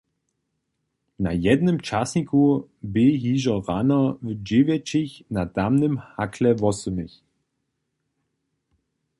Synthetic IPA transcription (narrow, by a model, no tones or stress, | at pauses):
na̰jɛd̪nəmt͡ʃasnikʰubɪɦiːʒɐʁanɐvd͡ʒɪvjɛt͡ʃɪçnat̪amnəmhakʰlɛvɔsəmɪç